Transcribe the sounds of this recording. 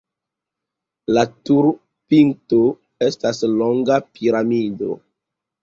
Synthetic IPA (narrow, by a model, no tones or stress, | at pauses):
latuɾ | pinto | e̞stasloŋɡapʰiɾamido̰